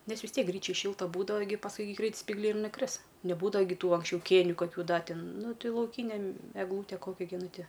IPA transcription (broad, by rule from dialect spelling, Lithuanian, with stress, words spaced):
ˈnʲɛs ʋʲɪs ˈtʲiɛk ˈɡrʲiːt͡ʃʲɛj ˈʃʲɪlˠtɐ ˈbuːdɐʋɐ ɡʲɪ pɐsˈkʊɪ ɡʲɪ ˈɡrʲɛɪt sʲpʲiːɡˈlʲɛɪ ɪr nʊˈkrʲɪs nʲɛˈbuːdɐʋɐ ɡʲɪ ˈtuː ɐŋksʲˈt͡ʃʲɛʊ ˈkʲeːnʲʊ kɐˈkʲuː ˈdɐ ˈtʲɪn ˈnʊ ˈtʲɪ lˠɐʊˈkʲiːnʲɛ m ɛɡˈlˠuːtʲɛ ˈkoːkʲɛ ɡʲɪ ˈnʊ ˈtʲɪ